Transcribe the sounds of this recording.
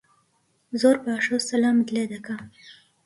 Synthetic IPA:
zoɾpaaʂosalɑmɪd̪led̪aka

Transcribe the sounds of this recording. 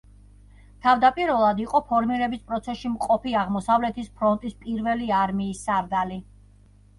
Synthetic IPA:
t̪ʰavd̪apʼiɾvɛlˠad̪iqʼɔpʰɔɾmiɾɛbispʼɾɔt̪sʰɛsʃimqʼɔpiaʁmɔsavlɛt̪ʰispʰɾɔnt̪ʼispʼiɾvɛliaɾmiːsːaɾd̪ali

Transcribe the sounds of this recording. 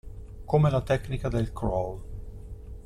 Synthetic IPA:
komelat̪ɛknikad̪elkɾɔl

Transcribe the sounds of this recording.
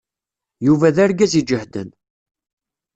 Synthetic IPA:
juvæðæɾɡæzid͡ʒəhd̪ə̰n

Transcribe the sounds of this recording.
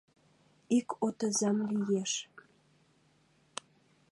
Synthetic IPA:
ikot̪əzɑmlijeʃ

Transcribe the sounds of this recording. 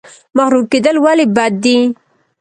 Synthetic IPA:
maxɾuked̪əlwalibad̪ːi

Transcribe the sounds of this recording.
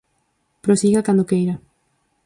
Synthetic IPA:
pɾosiɣakand̪okejɾa

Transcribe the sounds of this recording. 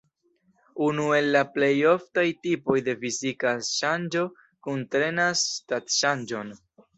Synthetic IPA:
unue̞lːaple̞jo̞ftajtipo̞jde̞fizikaʃand͡ʒo̞ | kuntɾe̞nasːtatʃand͡ʒo̞n

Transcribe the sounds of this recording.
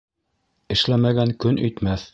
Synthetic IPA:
ɘ̆ʃlæmæɡæŋkɵnɵ̆jt̪mæθ

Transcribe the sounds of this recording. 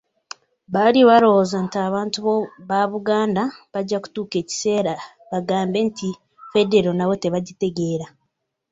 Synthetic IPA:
βaliβaɾo̞ozantiaːβaːntuβoβaβuɡaːndaβaɟːaku̥tuːke̞ːci̥se̞ːɾa | βaɡaːmbe̞ntʰi | fe̞de̞ɾo̞naβo̞te̞βaɟite̞ɡeːɾa

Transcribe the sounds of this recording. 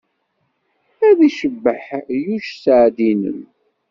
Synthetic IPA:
æðiʃəbːəħjuʃsəʕd̪inə̰m

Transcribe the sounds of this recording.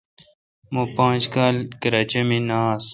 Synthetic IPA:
mõpãːt͡ʃkaːlkəɾaːt͡ɕemĩːnaːs

